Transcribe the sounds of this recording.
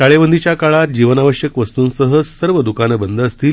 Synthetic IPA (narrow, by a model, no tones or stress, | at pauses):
aɭeʋənd̪ʱit͡ɕjakaɭat̪̚d͡ʑiʋənaʋəɕjəkʋəst̪uːnsəɦəsəɾʋəd̪ukanəbənd̪ʱəːst̪iː